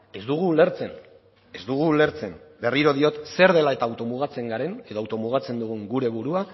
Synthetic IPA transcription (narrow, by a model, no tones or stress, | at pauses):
e̞zd̪uɣ̞uːle̞ɾt͡se̞n | e̞zd̪uɣ̞uːle̞ɾt͡se̞mbe̞riɾo̞ðio̞t̪se̞ɾð̞e̞lae̞t̪aːwt̪o̞muɣ̞at͡se̞ŋɡaɾe̞ne̞ðo̞awt̪o̞muɣ̞at͡se̞nd̪uɣ̞uŋɡuɾe̞β̞uɾua